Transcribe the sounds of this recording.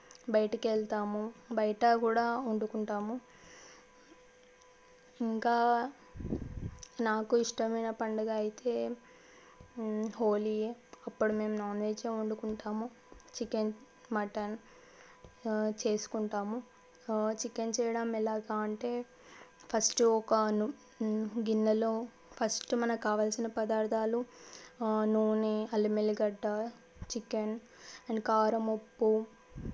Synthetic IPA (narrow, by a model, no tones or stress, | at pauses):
bɐjɐʈɐkɛɭt̪aːmubɐjɐʈɐkuːɽaːuɳɖukuɳʈaːmu | iŋkaː | naːkuiʂʈɐmɐjnɐpɐɳɖɐɡaːɐjit̪e̞ː | ho̞ːliɐpːuɽume̞ːmnaːneːt͡ʃeːuɳɖukuɳʈaːmu | t͡ʃikːen | mɐʈɐn | t͡ʃe̞ːsu̥kuɳʈaːmu | t͡ʃikːent͡ʃɛːjɐɽamɛlaːɡaːɐɳʈe̞ː | pʰɐsʈɔkɐnu | ɡinːɐloː | pʰɐsʈumɐnɐkaːʋaːlsinɐpɐd̪aːɾd̪ʱaːlu | nuːʋuneɐlːimeliɡɐɖːa | t͡ʃikːɐn | ɐɳɖkaːɾɐmopːu